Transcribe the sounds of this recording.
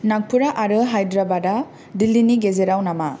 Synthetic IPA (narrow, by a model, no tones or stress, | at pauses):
nak̚pʰuɾaʔaɾɯɦajdɾabada | dilːiniɡezeɾawnama